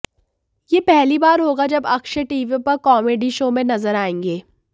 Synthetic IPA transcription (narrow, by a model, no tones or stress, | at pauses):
jeːpɛɦlibaːɾɦoːɡad͡ʒɐbɐkʃəʈiːʋipɐɾkɔːmeɖiʃomẽnɐzəɾaːẽːŋɡeː